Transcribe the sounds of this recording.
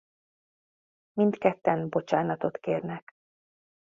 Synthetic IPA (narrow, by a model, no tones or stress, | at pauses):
mint̪kɛt̪ːɛnbo̞t͡ʃaːnɒt̪o̞t̪keːrnɛk